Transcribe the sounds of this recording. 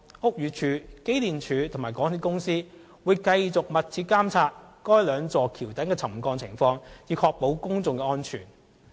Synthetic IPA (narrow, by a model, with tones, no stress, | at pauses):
hʊ˨k̚jyː˨t͡ʃʰyː˨˧ke˥jliː˨nt͡ʃʰyː˨˥t̪ʰŋmaː˨˩jkɔː˨˥ŋʰiː˨˧kʊ˥ŋsiː˥ | wuː˨˧jkɐ˧jt͡sʊ˨k̚mɐ˨t̚t͡sʰiː˧t̚kaː˥mt͡sʰaː˧t̚kɔː˥jlœː˨˧ŋt͡sɔː˨kʰiː˨˩wt̪ɐ˨˥ŋkɛː˧t͡sʰɐ˨˩mkɔː˧ŋt͡sʰɪ˨˩ŋfɔː˧ŋjiː˨˧kʰɔː˧k̚po˨˥wkʊ˥ŋt͡sʊ˨˧ŋkɛː˧ɔː˥nt͡ʃʰy̰ː˨˩n